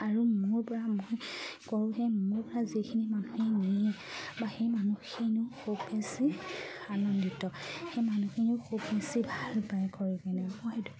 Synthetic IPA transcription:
aɹumuɹpɔɹamojkɔɹʊ̃xemuɹpɔɹazikʰinimanuxɛni | baxejmanuxinuxubesianɔnditɔxejmanuxʰinʊxʰubesibʱalbajkɔɹikɛnɛmɔdu

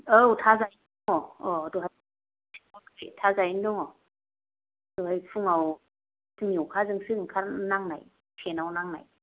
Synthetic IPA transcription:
əwtʰazajnduŋɔɔduɦaj | tʰiɔkʰetʰazajinduŋɔ | d̥uhajfʰuŋaw | sɯŋjukʰazɯŋsɯkʰanaŋnaj | tʰenawnaŋna̰j

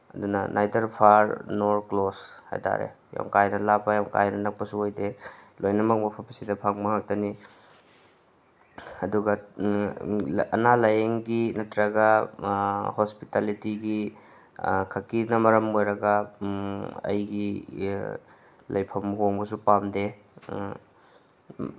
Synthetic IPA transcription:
ɐ̰dunɐ̰nʔajdɐɾpʰaɾnoɾklosha̰jta̰ɾḛ | jo̰ŋkajnɐlapɐjaŋka̰jnɐnɐk̚pɐsuojdelojnɐmɐk̚mɐpʰɐpɐ̥sidɐpʰaŋmɐŋak̚tɐni | ɐduɡɐ | ɐnalajeŋɡinɐtɾɐɡɐ | hospitalitiɡi | kʰɐkinɐmɐɾɐmojɾɐɡɐ | ɐ̰jɡi | lɐjpʰɐmɦoŋbɐsupamde

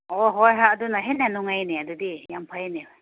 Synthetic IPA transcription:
ɔɦɔjɦaadunaɦenːanuŋajneadudijampʰajneba

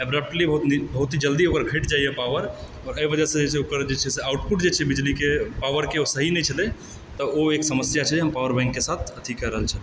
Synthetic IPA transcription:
əbɾəp̚ʈlibəɦut̪nibəɦut̪id͡ʒəld̪iokəɾɡʱəʈd͡ʒajepaʋəɾ | ɔːɾəibəd͡ʒasə̃d͡ʒet͡ʃʰɛokəɾd͡ʒet͡ʃʰɛseauʈ̚puʈd͡ʒet͡ʃʰɛbid͡ʒlikepaʋəɾkeosəɦinɛt͡ʃʰəle | t̪əoeksəməsjat͡ʃʰɛɦəmpawəɾbɛ̃ŋkːesat̪ʰət̪ʰikəɾəɦəlt͡ʃʰəl

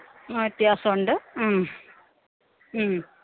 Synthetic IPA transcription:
ɐt̪jaːsɐuɳɖɨ

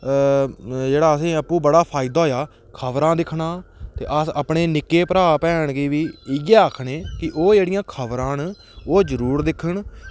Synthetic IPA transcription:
d͡ʒeːɽaːəs̬ĩːəpːũːbəɽaːpʰaːɪd̪aːɦoːjaː | kʰəʋɾãːd̪ɪkʰɳaːt̪ḛːʔəsəpɳeːnɪkːeːpəɾaːpɛːɳkiːʋiːɪɡɛːəkʰɳeːkɪʔoːd͡ʒeːɽɪjãːkʰəʋɾãːn | oːd͡ʒəɾuːɾd̪ɪkʰəɳ

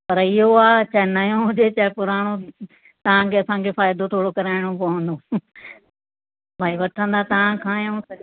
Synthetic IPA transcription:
pɐɾɪɦoaːt͡ɕaɛnɐjõɦʊd͡ʑet͡ɕaɛpʊɾaːɽ̃o | t̪ɐʋ̤ãkʰeɐsãkʰefaːjd̪ot̪ʰoːɽokɐɾaːɪɽ̃okoɦõːnd̪o | bʱaːiʋɐʈʰə̃nd̪at̪ɐʋãkʰãːjõsɐ

